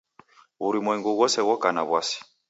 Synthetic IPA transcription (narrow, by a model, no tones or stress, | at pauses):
βuɾimwɛŋɡuɣɔsɛɣɔkanaβwasi̥